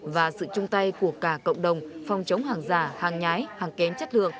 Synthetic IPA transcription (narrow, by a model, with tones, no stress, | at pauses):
vaː˨˩sɨ̰˧˨t͡ɕʊ˧ŋ͡mt̪a˧jku˧˩əkaː˧˩kə̰˧˨wŋ͡mɗə˨˩wŋ͡mfɔ˨˩wŋ͡mt͡ɕə˨˦wŋ͡mhaː˨˩ŋzaː˧˩haː˨˩ŋɲaː˨˦jhaː˨˩ŋkɛ˨˦nt͡ɕə˦˥t̚lɨ̰˨˧˨ək̚